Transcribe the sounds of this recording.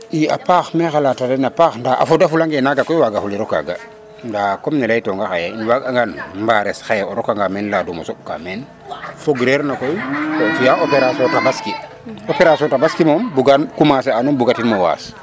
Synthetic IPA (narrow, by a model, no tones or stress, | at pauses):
ia̰paxmɛxalatadenapaːxndaʔa̰fodafulaŋɡenaɡakojwaɡafuliɾɔka̰ɡa̰ | ndakomnɛlajtɔŋɡaxajainwaɡaŋɡanmbaɾɛsxajoɾɔkaŋɡamenladumo̰soka̰men | foɡɾeɾnakojkofujaʔopeɾasɔtabaski | opeɾasɔntabaskimombuɡankumaseanumbuɡatinmowa̰ːs